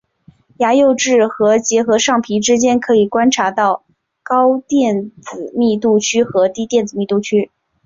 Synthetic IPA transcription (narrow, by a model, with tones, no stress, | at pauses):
ja˧˥jo˥˧ʊʈ͡ʂɻ̩˥˩xɤ˧˥t͡ɕjɛ˧˥xɤ˧˥ʂɑ˥˩ŋpʰi˧˥ʈ͡ʂɻ̩˥t͡ɕjɛ˥nkʰɤ˧˥i˨˩kwa˥nʈ͡ʂʰa˧˥t̪ɑ˥˩ʊ | kɑ˥ʊt̪jɛ˥˩nt͡sɹ̩˨˩mi˥˧t̪u˥˩t͡ɕʰy˥xɤ˧˥t̪i˥t̪jɛ˥˩nt͡sɹ̩˨˩mi˥˧t̪u˥˩t͡ɕʰy˥